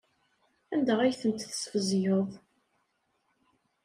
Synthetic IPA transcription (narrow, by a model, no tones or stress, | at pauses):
ænd̪æʁæjθənt̪θə̥sfəzjəðˤ